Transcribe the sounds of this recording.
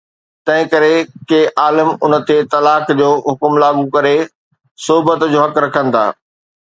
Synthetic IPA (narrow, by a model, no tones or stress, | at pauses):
t̪ɐ̃ɦɪ̃kɐɾekeʔaːləmʊnt̪et̪ɐlaːkd͡ʑoːɦʊkmlaːɡukɐɾe | sʊɦbət̪d͡ʑoːɦɐkɾɐkʰə̃nɪ̆t̪ʰa̰ː